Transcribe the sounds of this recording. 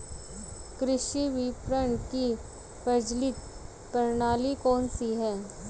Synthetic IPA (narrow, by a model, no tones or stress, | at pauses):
kɾɪʃiʋɪpɾəɳki | pɐd͡ʒlɪt̪ | kəɾnaːlikɔːnsiɦɛː